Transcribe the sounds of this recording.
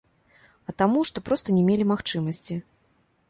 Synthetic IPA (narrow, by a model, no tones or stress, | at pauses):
ɐt̪amuʂt̪ɔpɾɔst̪ɐnʲɛmʲelʲimaxt͡ʂɨmɐsʲt͡sʲi